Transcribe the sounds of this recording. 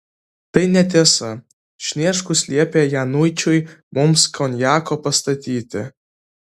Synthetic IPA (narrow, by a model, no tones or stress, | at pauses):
t̪ɐɪnʲɛt̪ʲiɛsɐ | ʃʲnʲiɛʃkʊsʲlʲiɛpʲeːjænujt͡ʃʲʊjmʊmskʰɔnʲjaːkoːpɐst̪ɐt̪ʲiːt̪ʲɪ̰